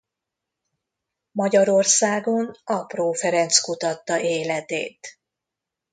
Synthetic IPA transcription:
mɒɟɒɾo̞rsaːɡo̞nɒproːfɛɾɛnt̪skut̪ɒt̪ːɒʔeːlɛt̪ḛːt̪

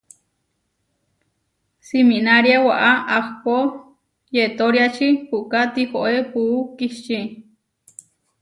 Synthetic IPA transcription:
siminaɾjawaʔaʔahpo | jet̪oɾjat͡ʃipuʔkat̪ihoʔepuːkiʃt͡ʃi

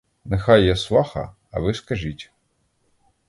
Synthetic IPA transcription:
nexɑjːasʋˠɑxɐ̰ː | ʋɪskɐʒitʲ

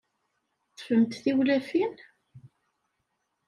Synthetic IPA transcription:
tˤːə̥fəmt̪θiwlæfin

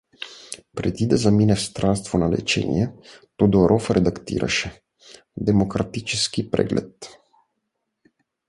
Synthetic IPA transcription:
pɾɛd̪id̪azaminɛfst̪ɾanst̪vonalɛ̰t͡ʃɛ̰nḭjɛt̪od̪oɾʔɔfɾɛd̪akt̪ḭɾa̰ʃɛ | d̪ɛmokɾat̪it͡ʃɛskipɾɛ̰ɡlɛ̰t̪

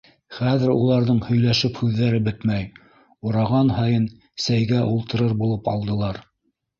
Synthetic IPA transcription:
χæðɘ̆ɾulˠɑɾðɤɴhɵ̆jlæʃɘphʉðːæɾɘbɘt̪mæj | uɾɑʁɑnhɑjɤn | sæjɡæʔulˠt̪ɤ̆ɾɤɾbulˠɤpɑ̰lˠd̪ɤ̆lˠɑɾ

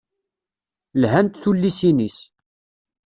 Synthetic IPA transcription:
lɦænt̪θulːisinis

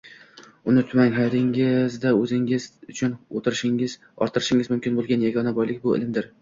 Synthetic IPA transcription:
ʊnɪt̪ʰʊmaŋɦad̪ɪŋɪzd̪aɵzɪŋɪz̥ʊt͡ʃʰʊnot̪ʰɪɾɪʃɪŋɪz̥ | ɒ̰ɾt̪ʰɪɾɪʃɪŋɪzmʊmkʲɪnbolˠɡʲanjaɡɒnabɒjlɪkʲbʊɪ̰lɪmd̪ɪɾ

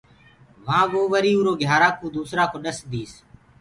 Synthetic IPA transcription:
ʋãːʋoːʋəɾiːũːɾoːɡʱjaːɾãːkõːd̪uːsɾãːkoːɗəsd̪iːs

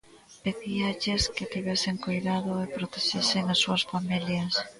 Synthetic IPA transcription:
peðiɐʎeskɪat̪iβɛseŋkojðaðoepɾot̪eʃeseŋasːuasfamiljɐs

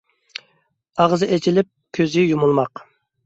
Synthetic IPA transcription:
ɑʁzɨʔet͡ʃʰilɪp̚kʲʰøzɪjumulˠmɑq

